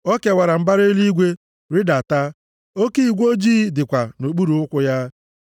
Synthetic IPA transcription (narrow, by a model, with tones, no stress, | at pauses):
o˦ke˨wa˨ɾa˨m̩˦ba˦ɾe˦li˦ɡʷe˦ | ɾɪ˦da˨ta˦ | o˦ki˦i˨ɡʷo˦d͡ʒiː˦dɪ˨kʷa˨no˨k͡pu˦ɾu˨ʊ˦kʷʊ˦ja˦